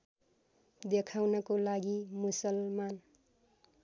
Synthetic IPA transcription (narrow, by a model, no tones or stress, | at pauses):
d̪ekʰawnʌkolaɡimusʌlman